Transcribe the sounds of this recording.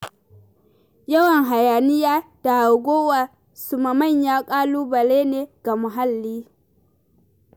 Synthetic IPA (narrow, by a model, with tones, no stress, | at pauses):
jɐ˦wɐ˨ŋɦa˨jaː˨nɪ˦jaː˦d̥a˨ʔa˨ɡʷoː˦wa˨ | sʊ˨ma˨mɐ˦˨ɲjaː˦kʼaː˦luː˦bɐ˨leː˦neː˨ɡ̥a˨mʊ˨ɦa˦lːiː˦